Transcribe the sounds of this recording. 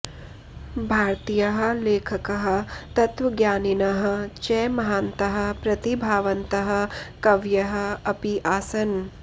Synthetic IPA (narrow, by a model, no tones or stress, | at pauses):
bʱaːɾt̪ijɐɦɐ̆leːkʰɐkɐɦɐ̆t̪ɐt̪ʋɐɡjaːninɐɦɐ̆t͡ʃɛːmɐɦaːnt̪ɐɦɐ̆pɾɐt̪ibʱaːʋɐnt̪ɐɦɐ̆kɐʋjɐɦɐ̆ɐpiʔaːsɐn